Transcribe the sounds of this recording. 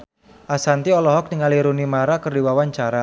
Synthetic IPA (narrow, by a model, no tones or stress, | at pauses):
ʔasant̪iɔlɔɦɔk̚niŋaliɾunimaɾakərdiwawaɲt͡ʃaɾa